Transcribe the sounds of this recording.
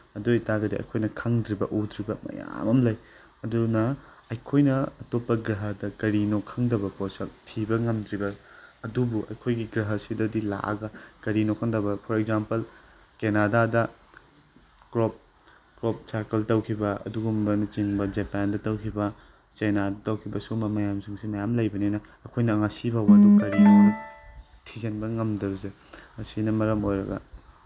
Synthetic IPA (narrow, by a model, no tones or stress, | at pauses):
ɐdojtaɡɐdiɐ̰jkʰojnɐkʰɐŋdɾibɐʔudɾibɐmɐ̰ja̰mɐmlɐj | ɐdunɐ | ɐjkʰojnɐːtopːɐɡɾɐɦɐdɐkɐɾinokʰːɐŋdɐbɐposɐk̚tʰibɐŋɐmdɾibɐɐdubuʔɐ̰jkʰojɡiɡɾɐɦɐsidɐdila̰ɐ̰ɡɐkɐɾinokʰɐŋdɐbɐpʰɔɾeɡzampɐl | kenadadɐ | kɾop̚ | kɾop̚saɾkeltɐwkʰibɐɐ̰duɡumbɐnɐt͡ʃiŋbɐd͡ʒepandɐtɐwkʰibɐ | t͡ʃajnadɐtɐwkʰibɐsumɐmɐjamsiŋsimɐjamlɐjbɐninɐ | ɐkʰojnɐːŋasibawɐdukɐɾio | tʰizenbɐŋɐmdɐbɐse | ɐsinɐmɐɾɐmojɾɐ̰ɡɐ̰